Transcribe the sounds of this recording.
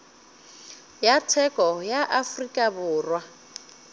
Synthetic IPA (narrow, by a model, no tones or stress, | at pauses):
jatʰɛkʼɔjaʔafrikʼabʊːrwa